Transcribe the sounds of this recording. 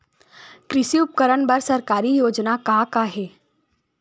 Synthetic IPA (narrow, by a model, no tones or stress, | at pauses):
kɾɪʃiʊp̚kəɾəɳbɐɾsɐɾkaːɾijoːd͡ʒnakakaɦɛː